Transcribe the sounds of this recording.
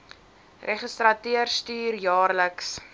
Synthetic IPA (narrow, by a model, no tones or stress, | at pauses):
reχəstrɐtyərstyːrjɑːrləks